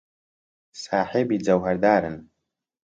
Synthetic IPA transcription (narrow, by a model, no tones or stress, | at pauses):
saːħebid͡zawħardaːɾɨ̰n